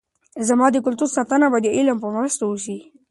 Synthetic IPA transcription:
zamɑd̪əkʊlt̪uɾsɑt̪anabad̪əʔɪlampəmɾəst̪aoʃi

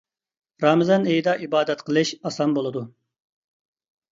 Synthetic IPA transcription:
ɾɑːmɨzɑnejd̪ɑʔibɑːd̪ɛt̪qʰəlˠɨʃɑsɑmbolˠɨd̪u

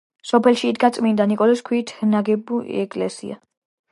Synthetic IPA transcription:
sɔpʰɛlʃiːd̪ɡat̪sʼmind̪anikʼɔlɛskʰwit̪ʰnaɡɛbuɛkʼlɛ̰sḭa̰

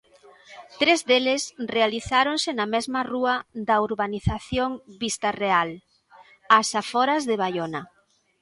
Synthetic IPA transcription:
t̪ɾezðelesrealiθaɾonsɪnɐmɛzmɐruɐðɐuɾβaniθaθjoŋbist̪ɐreal | asafɔɾɐzðɪβajonɐ

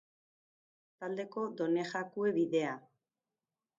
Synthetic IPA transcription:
t̪ald̪e̞ko̞d̪o̞ne̞xakue̞βiðe̞a

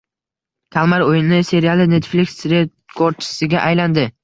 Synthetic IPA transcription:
kʲʰalˠmaɾojɪnɪse̞ɾialˠɪne̞t̪flikʲsɾe | kʰoɾ̚t͡ʃʰɪ̥sɪɡʲaʔajland̪ɪ

